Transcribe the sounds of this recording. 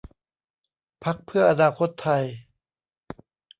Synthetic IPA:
pʰa˦˥k̚pʰɯ˥˩ɐʔa˧naː˧kʰo˦˥t̪ʰːa˧j

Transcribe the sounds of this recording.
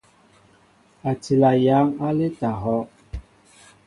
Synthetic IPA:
a˨ti˨la˨ja˨˦ŋa˦le˦ta˨ɦɔ˦

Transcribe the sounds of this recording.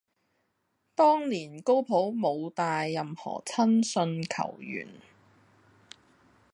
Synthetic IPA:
t̪ɔː˥ŋliː˨˩nko˥wpʰo˨˥wmo˨˧wt̪aː˨jːɐ˨mhɔ̰ː˨˩t͡sʰɐ˥nsɵ˧nkʰɐ̰˨˩wjy̰ː˨˩n

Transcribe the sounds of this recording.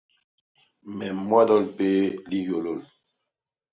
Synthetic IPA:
mɛ˨mwa˦dɔ˦˨lpe˦li˦jo˨lo˦˨l

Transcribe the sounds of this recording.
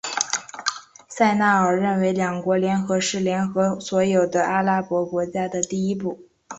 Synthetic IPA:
sa˥˧ɪna˥˩ə˞˨˩ɻə˥˩nwe˧˥ɪljɑ˨˩ŋkwɔ˧˥ljɛ˧˥nxɤ˧˥ʂɻ̩˥˩ljɛ˧˥nxɤ˧˥swɔ˧˥jo˨˩ʊd̪ə˦ʔa˥la˥pwɔ˧˥kwɔ˧˥t͡ɕja˥d̪ə˨t̪i˥˧i˥p̬u˥˩

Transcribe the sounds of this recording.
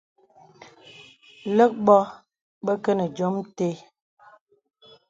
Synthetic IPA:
lə˦k̚bɔ˦ | bə˦kə˦nə˨d͡ʒo˨˦mte˦

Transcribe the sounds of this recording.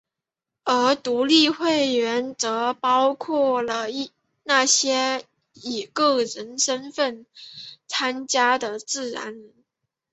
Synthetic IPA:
ə˞˧˥t̪u˧˥li˥˧xwe˥˩ɪɥɛ˧˥nt͡sɤ˧˥pɑ˥ʊkʰwɔ˥˩lə˩i˥˩ | na˥˩ɕjɛ˥ | i˨˩kɤ˥˩ɻə˧˥nʂə˥nfə˥˩nt͡sʰa˥nt͡ɕja˥d̪ə˨t͡sɹ̩˥˩ɻa̰˧˥nɻə˧˥n

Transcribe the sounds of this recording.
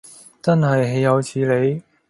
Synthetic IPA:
t͡sɐ˥nɦɐ˨jɦe˨˧jjɐ˨˧wt͡sʰiː˨˧le˨˧j

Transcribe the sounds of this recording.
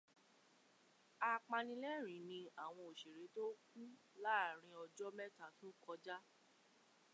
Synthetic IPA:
a˧k͡pã˧nĩ˧lɛ˦˨ɾ̃ĩ˨˦nĩ˧a˨w̃ɔ̃˧o˨ʃe˨ɾe˨˦to˦k̚u˦ | la˦a˦˨ɾ̃ĩ˧ɔ˧d͡ʒɔ˦mɛ˦ta˦˨tũ˦kɔ˧d͡ʒa˦

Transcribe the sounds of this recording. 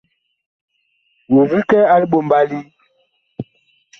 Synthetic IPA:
wo˨vi˦kɛ˦a˦li˦ɓo˨m˦ba˦li˦

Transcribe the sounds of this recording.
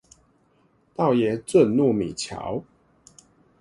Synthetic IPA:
t̪ɑ˥˨ʊjɛ˨˦t͡swə˥˨nnu˥˨mḭ˨˩t͡ɕʰja̰˨˦ʊ

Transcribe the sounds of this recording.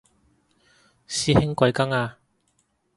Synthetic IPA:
siː˧hɪ˥ŋkʷɐ˨˧jkɐ˥ŋaː˧

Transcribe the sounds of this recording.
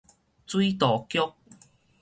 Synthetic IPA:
t͡swi˦t̪ɔː˨˩kjʊ˦˥k̚

